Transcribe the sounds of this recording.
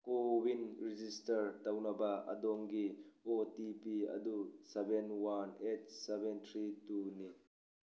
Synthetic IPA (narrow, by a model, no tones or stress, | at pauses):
kowinrid͡ʒistɐɾt̪ɐwnɐbaʔɐ̰d̪ɔŋɡiɔtipiɐ̰d̪usɛbɛnwɐnɛt̚sɛbɛnt̪ʰɾituni